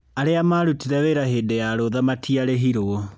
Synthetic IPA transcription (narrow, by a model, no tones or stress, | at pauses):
aɾeamaɾutiɾɛweɾaheːdejaɾoðamatʰiaɾeɦiɾo